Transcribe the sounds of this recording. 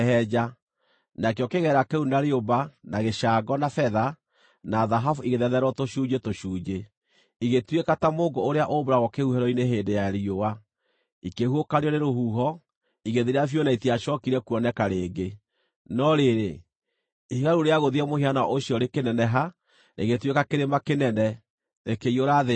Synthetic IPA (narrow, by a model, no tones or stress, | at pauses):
hɛd͡ʑa | nakjɔkeɣɛɾakɛunaɾeobanaɣeʃaːɡɔnafɛða | naðaɦafuiɣeðɛðɛɾwɔtoʃuːd͡ʒetoʃuːd͡ʒe | iɣetwekatamoːŋɡoːɾeaʔoboɾaɣɔkehuhɛɾɔineɦeːndejaeɾiowa | ikehuokaɾeɔneɾohuːɦɔ | iɣeðeɾeafjonaitiaʃɔkiɾɛkuɔnɛkaɾeːɡe | nɔɾeɾe | ihiɣaɾuɾeaɣoðiɛmoheanaʔoɕjɔɾekenɛnɛɦa | nʔḛɣetwekakeɾemakenɛnɛ | nekeioɾaðe